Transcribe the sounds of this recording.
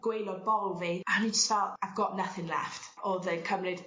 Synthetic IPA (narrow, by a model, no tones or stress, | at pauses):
ɡ̥wejlˠɔd̚bɔlˠviahnid͡ʒəstvɛlˠaðɡɔʔnəθɪnlˠɛ̰ftɔðənkʰəmlɪd̥